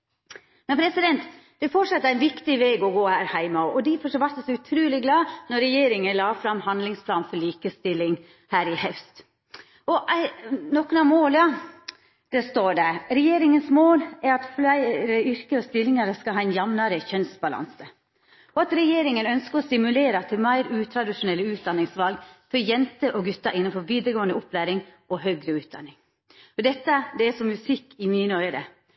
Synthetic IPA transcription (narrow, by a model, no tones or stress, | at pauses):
mɛnpʰɾɛsɪd̪ɛnt̪ | d̪̥ɛfɔʈʂɑt̪ːəɾæɪnʋɪkt̪ɪʋeːɡɔɡoːhæːɾhæɪməɔʔɔd̪ɪfɔʂʋɑɾt̪ɛsɔʉt̪ʰɾʉːlɪɡlɑːnɔɾɛjeːɾɪŋənlɑːfɾɑmhɑnd̪lɪŋspʰlɑːnfɔɭiːkəst̪ɪlːɪŋ | hæːɾɪhɛfst̪ | ɔʔænɔkːənɑmoːljɑ | d̪̥ɛst̪oːɖɛɾɛjeːɾɪŋənsmoːlæɾɑt̪flæɪɾəʏɾkəɔst̪ɪlːɪŋɑɾəskɑlhɑːɛɪnjɑmnɑɾəçœnsbɑlɑ̰nsə | ɔɑt̪ɾɛjeːɾɪŋənœnskəɾɔsɪmʉleːɾɑt̪ʰɪlmæɪɾʉːt̪ʰɾɑd̪ɪʂʊnɛlːəʉːt̪̚d̪ɑnːɪŋsʋɑlɡfɔɾjɛnt̪əʔɔɡʉt̪ːɑʔɪnːənfɔɾʋiːd̪ɾəɡoːənd̪əʔʊpʰlæːɾɪŋ | ɔɦœɡɾəʉːt̪̚d̪ɑ̰nːɪŋ | ɔd̪ɛt̪ːəd̪ɛæsɔmʉsɪkːɪmiːnəœʏəɾə̰